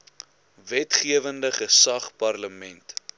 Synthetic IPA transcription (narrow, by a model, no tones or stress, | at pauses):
vɛtχiəvəndəχəsɐχpɐrləmɛnt